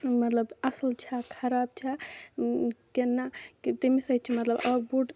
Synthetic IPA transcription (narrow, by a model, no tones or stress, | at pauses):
mət̪ləbɐsəlt͡ʃʰɛkʰɐɾab̚t͡ʃʰɛ | kenːakit̪emisət͡ʃʰimɐt̪ləbəbuɖ